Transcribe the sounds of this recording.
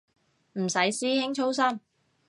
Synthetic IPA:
m̩˨˩sɐ˨˥jsiː˥hɪ˥ŋt͡ʃʰo˥wsɐ˥m

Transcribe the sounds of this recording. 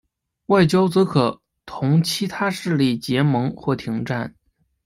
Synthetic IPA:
wa˥˩ɪt͡ɕjɑ˥ʊt͡sɤ˧˥kʰɤ˨˩ | t̪ʰʊ˧˥ŋt͡ɕʰi˧˥t̪ʰa˥ʂɻ̩˥˧li˥˩t͡ɕjɛ˧˥mɤ˧˥ŋxwɔ˥˩t̪ʰi˧˥ŋʈ͡ʂa˥˩n

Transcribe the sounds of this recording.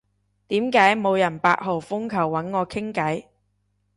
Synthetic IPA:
t̪iː˨˥mkaː˨˥jmo˨˧wjɐ˨˩npa̰ː˧k̚ho˨˩wfʊ˥ŋkʰɐ˨˩wːɐ˨˥nŋɔː˨˧kʰɪ˥ŋkɐ˨˥j

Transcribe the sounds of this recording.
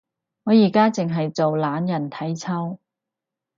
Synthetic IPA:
ŋɔː˨˧jiː˨˩kaː˥t͡sɪ˨ŋɦɐ˨jt͡so˨wlaː˨˥njɐ˨˩nt̪ʰɐ˨˥jt͡sʰɐ˥w

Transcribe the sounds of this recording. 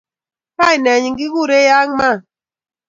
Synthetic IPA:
ka˦i˨nɛ˨ɲi˨ŋɡi˦ɣu˦˨ɾe˦ja˦ŋma˦˨

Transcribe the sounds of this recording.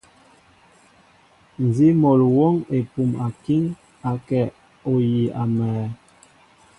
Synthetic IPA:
n˨zi˦mɔ˨lwɔ˦ŋe˨pu˨ma˨ki˦ŋ | a˨kɛ˨ | o˨ji˨a˨mɛː˨

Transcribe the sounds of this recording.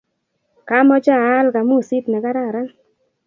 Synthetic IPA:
ka˦mɔ˦t͡ʃa˦˨a˦lka˨mu˦˨si˦tnɛ˨ka˦ɾa˦˨ɾa˦ŋ

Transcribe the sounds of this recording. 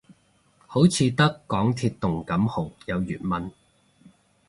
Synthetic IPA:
ho˨˥wt͡sʰiː˨˧t̪ɐ˥kːɔː˨˥ŋt̪ʰiː˧t̚t̪ʊ˨˩ŋkɐ˨˥mho˨˩wjɐ˨˧wjy̰ː˨˩t̚mɐ˨n

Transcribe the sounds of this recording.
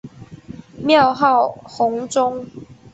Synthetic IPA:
mjɑ˥˨ʊɦɑ˥˨ʊhʊ˨˦ŋt͡sʊ˦ŋ

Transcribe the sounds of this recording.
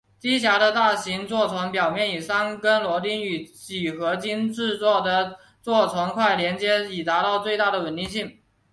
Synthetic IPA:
t̪i˥ɕ̬ja˧˥ɾə˧t̪a˥˩ɕi˧˥ŋt͡swɔ˥˩t͡sʰwa˧˥npjɑ˨˩ʊmjɛ˥˩ni˨˩ʂa˥nkə˥nlwɔ˧˥t̪i˥ny˨˩t͡ɕi˨˩xɤ˧˥t͡ɕi˥nʈ͡ʂɻ̩˥˧t͡swɔ˥˩d̪ə˩ | t͡swɔ˥˩t͡sʰwa˧˥nkʰwa˥˩ɪljɛ˧˥nt͡ɕjɛ˥i˨˩t̪a˧˥t̪ɑ˥˧ʊt͡swe˥˧ɪt̪a˥˩ɾə˩wə˨˩nt̪i˥˧ɕi˥˩ŋ

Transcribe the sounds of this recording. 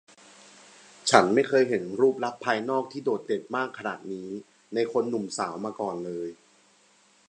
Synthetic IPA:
t͡ɕʰa˦˥nma˥˩jkʰɤː˧jɦe˩˦nɾuː˥˩p̚ɾa˦˥k̚pʰːaː˧jnɔː˥˩k̚t̪ʰiː˥˩doː˨˩t̪̚de˨˩p̚maː˥˩kʰːa˧na̰ː˨˩t̪̚niː˦˥ | na˧jkʰo˧nːu˨˩msaː˩˦wmaː˧kɔː˨˩nlɤː˧j

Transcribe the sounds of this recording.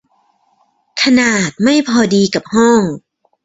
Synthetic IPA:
kʰa˧naː˨˩t̪̚ma˥˩jpʰɔː˧diː˧ka˨˩p̚hɔ˥˩ŋ

